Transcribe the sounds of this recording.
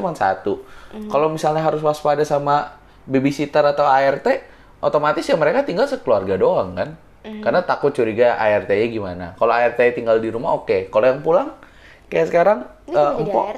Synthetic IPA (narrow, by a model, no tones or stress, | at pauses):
mansa̰t̪ukalowmisalɲaɦaɾʊswaspadasama | bebisit̪əɾat̪awaɛrt̪e | ʔot̪omat̪ɪsɲaməɾekat̪iŋɡalsəkəluarɡadoaŋkan | karnat̪akʊt̪̚t͡ʃuɾiɡaʔa̰ɛrt̪eɲaɡimana̰kaloaɛrt̪et̪iŋɡaldiɾumaokekalojaŋpulaŋ | kajaʔsəkaɾaŋ | əmpɔ̰